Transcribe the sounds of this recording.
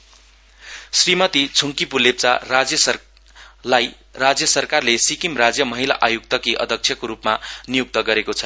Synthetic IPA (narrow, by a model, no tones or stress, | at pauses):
srimʌt̪it͡sʰuŋkipulep̚t͡sarad͡zjʌsʌ | laj | rad͡zjʌsʌrkarlesikimrad͡zjʌmʌɦila̰ʔajuk̚t̪ʌkiʔʌ̰d̪ʱʌk̚t͡sʰjʌkoɾupmanijuk̚t̪ʌɡʌɾekot͡sʰʌ̥